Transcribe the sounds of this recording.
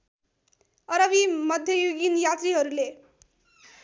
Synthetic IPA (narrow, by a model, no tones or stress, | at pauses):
ʌɾʌbimʌd̪ʱjʌjoɡinjat̪riɦʌɾule